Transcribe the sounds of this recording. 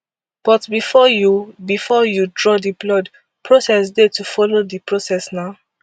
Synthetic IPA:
b̥ɔtbifɔjubifɔjudɹɔdiblɔd | pʰɹosɛsdetufɔlodipɹosɛsnaʊ

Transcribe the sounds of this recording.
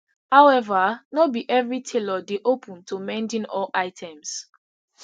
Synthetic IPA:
hawɛvanobiʔɛvɹitʰelɔdeʔopʰũntʰumɛ̃ndĩnɔlʔaɪtʰɛ̃ms

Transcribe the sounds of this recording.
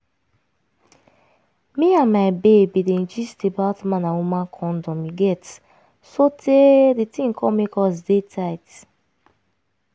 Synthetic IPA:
miãnmaɪbebidẽnd͡ʒistebatmãnãumãkʰɔ̃ndɔ̃mjiɡɛt | sotʰeditĩŋkʰɔmekɔs̬detʰaɪt

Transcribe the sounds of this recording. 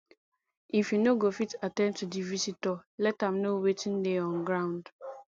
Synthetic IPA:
ĩfinoɡofitatɛ̃ntʰudivisitɔlɛtãmnowetʰĩndeɔ̃nɡɾãʊ̃nd

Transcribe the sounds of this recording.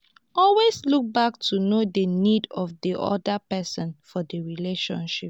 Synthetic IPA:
ɔlwesluk̚bak̚tʰunodənidɔfdiʔɔ̰dəpɛsɔ̃nfɔdəɹileʃɔ̰̃nʃip̚

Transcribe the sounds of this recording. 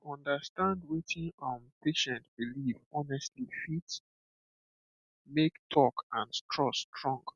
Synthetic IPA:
ɔ̃ndəstãndwetʰĩnɔ̃mpʰeʃɛ̃ntbilivɔnɛstlifit | mektʰɔkãnstʰɹɔstʰɹɔ̃ŋɡ

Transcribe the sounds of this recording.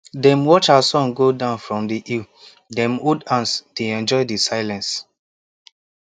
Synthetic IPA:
dɛ̃mwɔt͡ʃasɔ̃nɡodãʊ̃nfɹɔ̃mdiʔil | dɛ̃modãnsd̥eɛ̃nd͡ʒɔɪdisaɪlɛ̃ns

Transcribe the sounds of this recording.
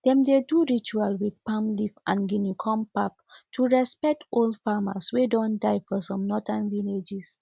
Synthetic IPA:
d̥ɛ̃mdeduɹit͡ʃualwidpãmlifãnɡinikʰɔ̃mpap̚tʰuɹɛspɛk̚tʰoldfamaswedɔ̃ndaɪfɔsɔ̃mnɔtãnviled͡ʒis

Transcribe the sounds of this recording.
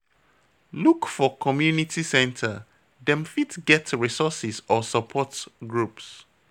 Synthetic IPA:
lukfɔkʰɔmjunitʰisɛ̃ntʰə | dɛ̃mfitɡɛtɹisɔsɪsɔsəpʰɔtɡɹups

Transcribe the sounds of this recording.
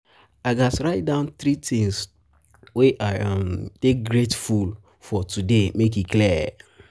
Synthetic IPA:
aɡasɹaɪt̚dãʊ̃nθɾitĩŋs | weamtek̚ɡɹetful | fɔtʰudemek̬ikliɛ

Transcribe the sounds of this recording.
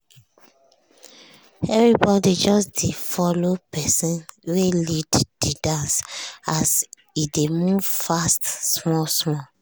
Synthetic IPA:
ɛvɹibɔdid͡ʒɔsdefɔlopɛsĩnwelidd̥idãnsas | idemuvfastsmɔsmɔl

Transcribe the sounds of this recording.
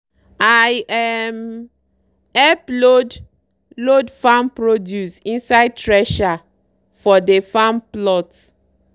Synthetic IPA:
ajɛm | ɛplod | lodfãmpɹodjusĩnsaɪd̚tɹɛʃa | fɔdefãmplɔt

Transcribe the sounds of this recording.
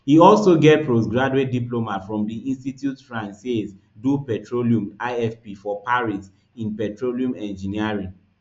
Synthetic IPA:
hiɔlsoɡɛt̚pɹosɡɹaduet̚diplomatfɹɔ̃mdiĩnstitjutfɹãnsez | dupɛtɹoliũmaɪɛfpifɔpaɹis | ĩnpɛtɹoliũmɛ̃nd͡ʒĩniaɹĩŋ

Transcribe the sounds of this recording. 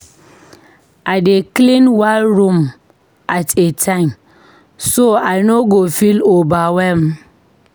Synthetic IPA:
aɪdeklĩnwalɾũm | atetʰãɪ̃m | soaɪnoɡofilobawɛm

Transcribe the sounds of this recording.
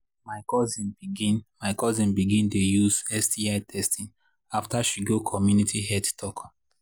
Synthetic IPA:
maɪkɔzĩnbiɡĩnmaɪkɔzĩnbiɡĩntojuzɛsdiaɪtʰɛstĩn | aftaʃiɡokʰɔmjunitʰihɛdtʰɔk

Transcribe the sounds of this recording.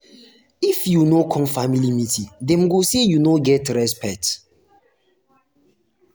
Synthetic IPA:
ifjunokʰɔ̃mfamilimitʰidɛ̃mɡosejunoɡɛtɹɛspɛt

